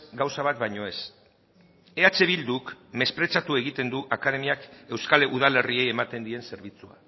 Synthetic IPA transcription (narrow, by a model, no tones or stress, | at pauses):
ɡawsaβ̞at̪bajɲo̞e̞s | e̞at͡ʃe̞β̞ild̪ukme̞spɾe̞t͡ʃat̪ue̞ɣ̞it̪e̞nd̪uʔakað̞e̞miake̞wskaleʔuð̞ale̞rie̞je̞mat̪e̞nd̪ie̞nse̞ɾβ̞it͡sua̰